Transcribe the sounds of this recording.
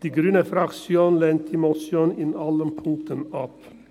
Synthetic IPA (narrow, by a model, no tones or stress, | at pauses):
d̪̥iɡɾʉnəfɾɑksjonlɛnt̪ʰɪmɔsjɔnɪnɑləmpʰʊŋk̚t̪ənɑp